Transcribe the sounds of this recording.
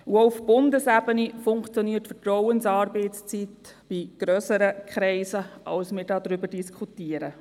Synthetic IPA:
uoʊfb̥ʊndəsæbənifʊŋkt͡sjɔniːtfətɾɔwənsɑːɾbɛɪtt͡st͡sit | b̥iɡ̥ɾøsəɾəkχɾɛɪsəʔɑlsmɪːɾdɑːdɾʏbədiskʰutiəɾə

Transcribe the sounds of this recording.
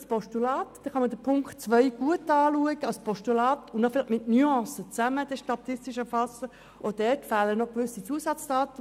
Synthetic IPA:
spɔʃtulɑːtd̥ɛχɑməd̥əpʰʊŋktt͡sʋœɪɡ̥uətɑːluəɡ̥əɑlspʰɔʃtulɑːtʊnnɔfɪlɪmɪtnyɑ̃ːsət͡sæməd̥ɛʃtɑtɪstɪʃəfɑsə | od̥ɛtfæːlənɔχkʋʏsit͡suəsɑt͡sd̥ɑːtə

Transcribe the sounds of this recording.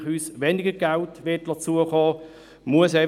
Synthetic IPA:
χyːsʋɛnɪɡəɾɡ̥altʋɪːtlɑt͡suəχɔː | muəsɛ

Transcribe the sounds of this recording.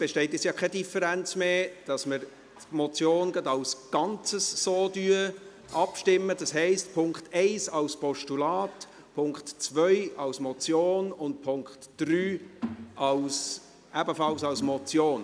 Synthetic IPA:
b̥eʃtɛɪt̬ɛsjɑːkʰɛdifəɾænt͡smeːd̥ɑsməɾ | tmɔt͡sjoːnɡɑdɑlsɡ̥ɑnt͡səsːoːdyə | ʔɑpʃtɪmːəd̥ɑshɛɪstpʰʊŋkχtɛɪsɑlspɔʃtulɑːt | pʰʊŋktt͡svœʏɑlsmɔt͡sjoːnʊnt̚pʰʊŋkχtd̥ryːʔɑls | ʔæbəfɑlsɑlsmɔt͡sjoːn

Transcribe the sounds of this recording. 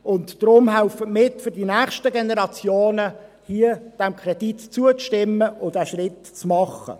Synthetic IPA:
ʊntd̥ɾʊmhæʊfətmɪtfʏɾdinæːχʃtəɡenɛɾɑt͡sjoːnə | hiəd̥æmkʰrɛd̥itt͡suət͡stɪmːəʊdæʃrɪt | t͡smɑχə̰

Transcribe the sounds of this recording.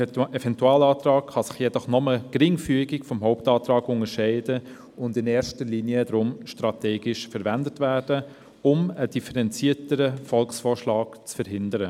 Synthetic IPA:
ɛvɛntuɑːlɑːtrɑːkχɑsɪ̥χjɛdɔχnɔməkɾɪŋfyəɡɪkfɔmɦɔʊptɑːtɾɑːɡʊŋəʃɛɪdə | ʊndɪnɛːɾʃtəliːniədɾʊmʃtɾɑtɛːɡɪʃfəɾvændətvæːɾd̥ə | ʊməd̥ifəɾɛnt͡siːtəɾəfɔlksfɔːʃlɑːɡt͡sfəɾɦɪndəɾə

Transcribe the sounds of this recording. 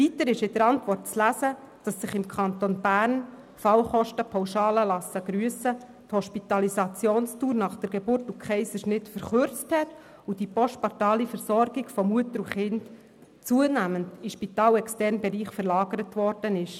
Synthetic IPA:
vitəɾɪʃɪd̥əɾɑntʋɔrt̚t͡slæzə | d̥ɑsːɪχɪmkʰɑnt̪onb̥æːɾn | fɑwχɔʃtəpʰawʃɑːləlɑsəɡ̥ɾyəsə | t̪hɔʃpit̪ɑlisɑt͡sjoːnstuːɾnɑχd̥əɾɡebʊrtukχɛɪsəʃnɪtfəɾχʏɾt͡sthɛt | ud̥ipɔʃtpɑɾtɑːlifəɾsɔɾɡiɡfɔmuətəɾuχɪnd | t͡suənæməndiʃpitɑːlɛkstɛɾnbɛɾiːχfəɾlɑːɡəɾətʋɔɾd̥ənɪʃ

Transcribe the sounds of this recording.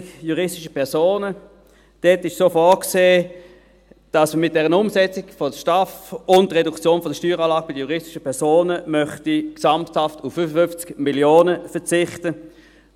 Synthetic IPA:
juʁɪstɪʃəpʰɛɐsoːnə | d̥ɛtɪʃsoːfɔːkseː | d̥ɑsməmɪt̚d̥ɛʁənʊmsɛt͡sɪɡfɔdʃtafʊndəʁedukt͡sjoːnfɔdəʃtyːʁɑːlɑːɡ̥̚mɪdəjuʁɪstɪ̥ʃəpɛɐsoːnəmœχtiksampthaftʊfːyfəfʏnft͡skmiljoːnəfət͡sɪχtə

